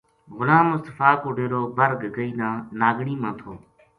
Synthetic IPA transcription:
ɣʊlãːmʊst̪əfaːkʊɖʱeːɾoːbəɾɡɡəiːnãːnaːɡɳiːmãːt̪ʰoː

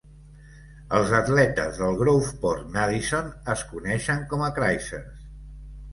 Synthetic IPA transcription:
əlˠzət̪lɛt̪ə̰zðəlˠɣɾowfpɔɾnaðisonəskunɛʃəŋkɔməkɾajsḛɾs

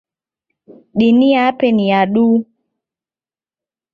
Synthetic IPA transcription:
ɗiniapeniaɗu

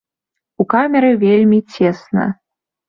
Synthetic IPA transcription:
ukamʲɛɾɨvʲelʲmʲit͡sʲɛsnɐ̰

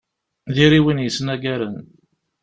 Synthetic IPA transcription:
ðiɾiwinjəsːnæɡæɾən

